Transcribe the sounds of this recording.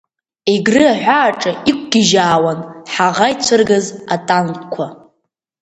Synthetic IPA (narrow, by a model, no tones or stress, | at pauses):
eɡrɨaʕʷaːʈ͡ʂʼaikʷʰʼɡʲɪʒaːwanħaʁajt͡sʷʰɨrɡazatʼankkʷʰa